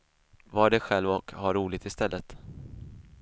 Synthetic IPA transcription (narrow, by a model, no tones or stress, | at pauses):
vɑɖɛɧɛlvɔkhaɾuːlɪɡ̚t̪ɪst̪ɛlːət̪